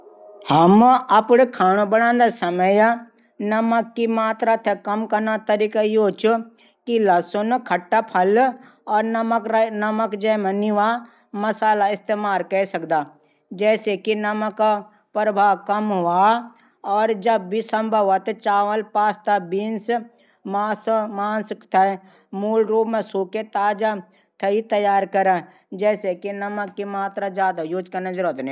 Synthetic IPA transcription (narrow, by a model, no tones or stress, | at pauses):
hɐmɐpɽkʰaːɽ̃obɐɽ̃ãːnd̪asɐməja | nɐməkːimaːt̪ɾat̪ʰekɐmkɐnat̪ɐɾiːkaiɦoːt͡ʃʊ | kilɐsonkʰɐʈːapʰɐl | ɔːɾknɐməkd͡ʒɛːməniʋa | mɐsaːlaɪst̪eːmaːɾkɐesɐkd̪aː | d͡ʒɛːsekinɐmək | pɾəbʱaːwkɐmɦʊa | ɔːɾd͡ʒɐbːisəmbʱəʋat̪t͡ʃaːʋəlpaːst̪abiːns | maːsmaːnskt̪ʰɐ | muːlɾoːbmẽsuːket̪aːd͡ʒa | t̪ʰɐit̪ɐjaːɾkɐɾa | d͡ʒɛːsekinɐməkːimaːt̪ɾad͡ʒjaːd̪ajoːd͡ʒkanɐd͡ʒəɾoːt̪ne